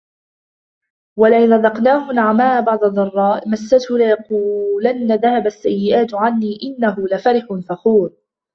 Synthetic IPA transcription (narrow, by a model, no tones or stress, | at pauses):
walaʔɪnɾˤɑðɑqnaːhʊnaʕamaːbɑʕd̪ˤɑðˤɑrˤːɑːʔmasːat̪hʊlɪjɑquːlanːaðahabasːajːɪʔaːt̪ʕanːiːʔɪnːaɦʊlafaɾɪħʊnfaxuːɾ